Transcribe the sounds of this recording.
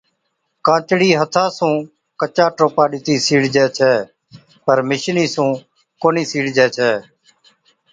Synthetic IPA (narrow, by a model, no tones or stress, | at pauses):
kãːt͡ʃɽiːɦət̪ʰãːsũː | kət͡ʃãːʈoːpaːɗɪt̪iːsiːɽd͡ʒɛːt͡ʃʰɛː | pəɾmɪʃniːsũː | koːniːsiːɽd͡ʒɛːt͡ʃʰɛː